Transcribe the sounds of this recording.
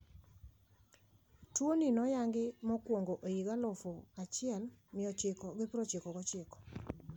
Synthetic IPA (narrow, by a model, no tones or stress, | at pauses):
twoninɔjaŋɡɪmɔkwoŋɡoʔojiɡalɔfoat͡ʃɪɛlmɪɔt͡ʃɪkɔɡɪpɾot͡ʃɪkɔɡɔt͡ʃɪkɔ̥